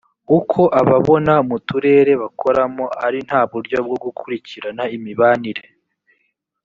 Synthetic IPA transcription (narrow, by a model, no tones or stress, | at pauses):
ukʰo̞ʔaβaβo̞naumutuɾe̞ːɾe̞βakʰo̞ɾamo̞aɾin̥haːβuɾɟo̞b̚ɡo̞ɡukʰuɾiciɾanaimiβaːniɾe̞